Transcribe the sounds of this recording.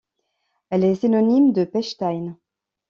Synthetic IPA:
ɛlɛsinɔnimd̪əpɛʃt̪ajn

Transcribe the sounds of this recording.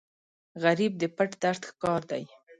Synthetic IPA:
ɣaɾib̚d̪əpaʈd̪aɾt̪xkɑɾd̪aj

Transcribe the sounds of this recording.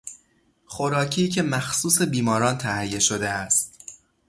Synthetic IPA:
xo̞ɾɒːcʰiːcʰe̞mæxsuːse̞biːmɒːɾɒːnt̪ʰæhjːe̞ʃo̞d̪eæst̪

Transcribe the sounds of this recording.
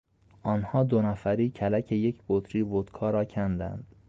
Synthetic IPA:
ʔɒːnhɒːd̪onæfæɾiːcʰælæcʰeje̞cʰb̥ot̪ɾiːvot̪kʰɒːɾɒːcʰænd̪æ̰nd̪̥

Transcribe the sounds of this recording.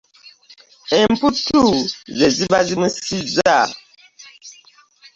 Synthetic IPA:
ɛm̩putuzɛzibazimusiza

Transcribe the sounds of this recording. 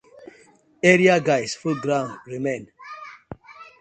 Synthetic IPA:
ɛɾiaɡajsfuɡɾãnɹimẽn

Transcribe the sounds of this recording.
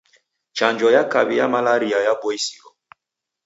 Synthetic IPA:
t͡ʃaɲd͡ʒɔjakabijamalaɾiajabɔisiɾɔ

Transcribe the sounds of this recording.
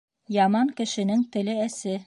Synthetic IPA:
jɑmɑŋkɘ̆ʃɘ̆nɘŋt̪ɘ̆lɘæsɘ

